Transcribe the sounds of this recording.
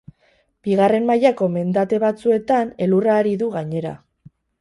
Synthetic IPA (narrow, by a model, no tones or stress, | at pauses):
b̥iɣ̞are̞mmajako̞me̞nd̪at̪e̞βat͡sue̞t̪ane̞luraːɾiðuɣaɲe̞ɾa̰